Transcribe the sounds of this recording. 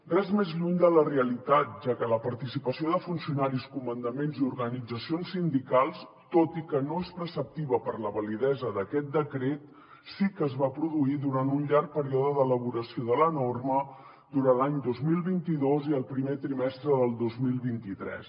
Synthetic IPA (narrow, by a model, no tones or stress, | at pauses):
rɛzmezʎuɲd̪ələreəlit̪at̪̚ʒakələpəɾt̪isipəsioðəfunsiunaɾiskumənd̪əmenziuɾɣənid͡zəsionsːind̪ikalˠs | t̪ot̪ikənoespɾəsəp̚t̪iβəpərləβəliðɛzəðəkɛt̪̚d̪əkɾet̪ | sikəzβapɾuðuiðuɾant̪unʎaɾk̚pəɾiɔðəðələβ̞uɾəsioðələnormə | d̪uɾanlaɲd̪ozmilˠβint̪iðoziəlˠpɾimet̪ɾimɛst̪ɾəðəlˠd̪ozmilˠβint̪it̪ɾɛ̰s